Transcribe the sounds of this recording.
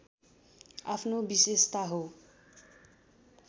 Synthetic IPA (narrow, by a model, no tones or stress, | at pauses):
apʰnobisest̪aɦo